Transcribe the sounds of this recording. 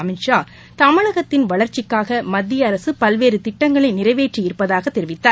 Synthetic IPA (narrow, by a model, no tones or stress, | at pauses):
ɐmɪʂaː | t̪ɐmɪɻɐɣɐt̪ːɪnʋɐɭɐɾt͡ʃɪkːaːɣɐmɐd̪ːɪjɐɐɾɐsɯpɐlʋeːɾɯt̪ɪʈːɐŋɡɐɭɐɪnɪrɐɪʋeːʈrijɪɾɯpːɐðaːɣɐt̪ːɛɾɪʋɪt̪ːaː